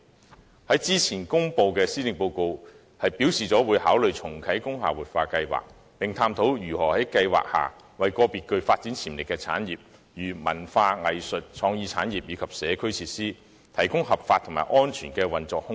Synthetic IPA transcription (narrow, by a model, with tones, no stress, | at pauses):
hɐ˨˥jt͡siː˥t͡sʰiː˨˩nkʊ˥ŋpo˧wkɛː˧siː˥lɪ˨ŋpo˧wko˧w | hɐ˨˩jpiː˨˥wsiː˨˩t͡sɔː˨˥wuː˨˧jhaː˨˥wlɵ˨ɥt͡sʰʊ˨˩ŋkʰɐ˨˥jkʊ˥ŋɦaː˨wuː˨t̚faː˧kɐ˧jwa̰ː˨˩k̚ | pɪ˨ŋt̪ʰaː˧mt̪ʰo˨˥wjyː˨˩hɔː˨˩hɐ˨˥jkɐ˧jwa̰ː˨k̚ha̰ː˨˩ | wɐ˨jkɔː˧piː˨t̚kɵ˧ɥfaː˧t̚t͡si˨˥nt͡sʰiː˨˩mlɪ˨˩kːɛː˧t͡sʰa̰ː˨˥njiː˨p̚ | jyː˨˩mɐ̰˨˩nfaː˧ŋɐ˨jsɵ˨t̚t͡sʰɔː˧ŋjiː˨˧t͡sʰaː˨˥njiː˨p̚jiː˨˧kʰɐ˨˩p̚sɛː˨˧kʰɵ˥ɥt͡sʰiː˧t̚siː˥ | t̪ʰɐ˨˩jkʊ˥ŋɦɐ˨p̚faː˧t̪ʰʊ˨˩ŋmaː˨jʔɔː˥nt͡ʃʰyː˨˩nkɛː˧wɐ˨˩nt͡sɔː˨k̚hʊ˥ŋ